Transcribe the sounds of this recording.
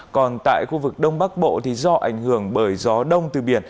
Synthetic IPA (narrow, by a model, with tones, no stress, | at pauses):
kɔ˨˩nt̪a̰ː˧˨jxu˧vɨ˨˩k̚ɗə˧wŋ͡mɓa˦˥k̚ɓo̰˧˨t̪ʰi˨˦zɔ˧ʔa˧˩jŋ̟hɨ˧˩əŋɓəː˧˩jzɔ˨˦ɗə˧wŋ͡mt̪ɨ˨˩ɓi˧˩ən